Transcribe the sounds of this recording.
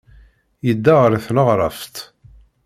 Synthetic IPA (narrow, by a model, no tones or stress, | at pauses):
jəd̪ːaʁəɾˤθləʁɾˤɑft̪